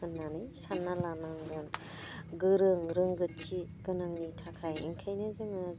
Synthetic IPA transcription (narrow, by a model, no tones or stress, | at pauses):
ɯnːanɯjsanːalamaŋɡɯn | ɡɯɾɯŋɾɯŋɡɯt͡ʃiɡɯnɯŋnitʰakʰajḭŋkʰajnɯzɯŋɯ